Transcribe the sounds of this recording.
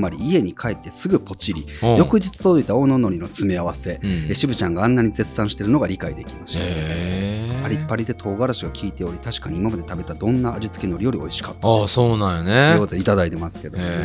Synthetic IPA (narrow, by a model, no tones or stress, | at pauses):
maɾʲiːe̞ɲ̟ikʰaet̪ːe̞sɨɡɯ̟po̞t͡ɕiɾʲijo̞kɯ̟ʑit͡sɨ̥t̪od̪oit̪ao̞ːno̞no̞ɾʲino̞t͡sɨmʲiaβ̞ase̞eɕibɯ̟t͡ɕãŋɡaanːaɲ̟id͡ze̞ssãɰ̃ɕi̥t̪e̞ɾɯ̟no̞ɡaɾʲikaḭd̪e̞kʲi̥maɕt̪e | paɾʲipːaɾʲid̪e̞t̪ʰo̞ːɡaɾaɕiɡakʲiːt̪e̞o̞ɾʲit̪aɕi̥kaɲ̟iːmamad̪e̞t̪abe̞t̪ad̪õ̞nːaːʑit͡sɨ̥keno̞ɾʲijo̞ɾʲio̞̰iɕi̥kḁt̪ːasoːnãjoneɯkot̪oit̪ad̪ait̪e̞masɨ̥ke̞d̪o